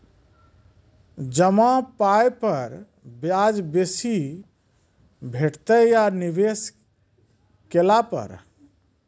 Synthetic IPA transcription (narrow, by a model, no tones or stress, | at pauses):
d͡ʒəmãpajpəɾ | bjad͡ʒbesi | bʱeʈt̪əjanibes | kelapə̰ɾ